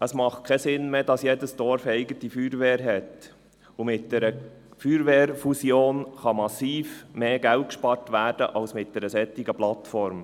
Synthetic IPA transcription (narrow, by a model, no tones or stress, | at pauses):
əsmɑχt̚kʰɛsɪnmeːdɑsjeːdəsd̥ɔɾfɛɪɡətifyːɾʋeːɾɦɛt | umɪt̚d̥ɛɾə | fyːɾʋeːɾfusjoːnχɑmɑsiːfmeːɡ̥ælt̚kʃpɑɾtʋæːɾd̥əʔɑlsmɪt̚d̥ɛɾəsɛtːɪɡəplɑt̪fɔɾm